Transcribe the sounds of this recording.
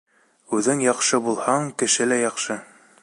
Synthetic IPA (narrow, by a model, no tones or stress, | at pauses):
ʉðɘŋjɑqʃɤbulˠhɑɴkɘ̆ʃɘlæjɑqʃɤ